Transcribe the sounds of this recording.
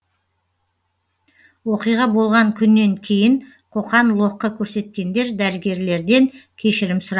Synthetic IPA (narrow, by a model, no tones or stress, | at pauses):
wo̞qijʁɑbo̞lˠʁɑŋkʲʰʏnːe̞ŋkʲʰe̞jɪŋ | qʰo̞qɑnlˠo̞qːəkʲʰɵɾse̞t̪̚kʲe̞nd̪e̞ɾd̪æɾɪɡʲe̞ɾle̞ɾd̪e̞ŋkʲʰe̞ʃɪɾɪmsʊɾɑ